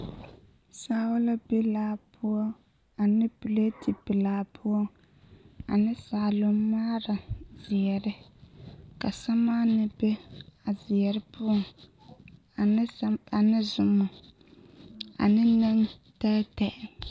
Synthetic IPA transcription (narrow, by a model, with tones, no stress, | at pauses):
saː˦wʊ˦la˦be˦laː˦pʊ˦ɔ˦ | a˨nɨ˦pɨ˨le˦ti˨bɪ˨laː˨pʰʊ˦ɔ˦ | a˨nɨ˦saː˨lʊ˦maː˦ɾa˨zɪ˨ɛ˨ɾɨ˦ | ka̰˨sa˦maː˦nɨ˦bɛ˦a˨zɪ˨ɛ˨ɾɨ˦pʊ˦ɔ˦ŋ˨˦ | a˨nɨ˦zʊ˨mʊ˨ | a̰˨nɨ˦nɨ˦ŋtaː˦tɛ˨ʔɪ˨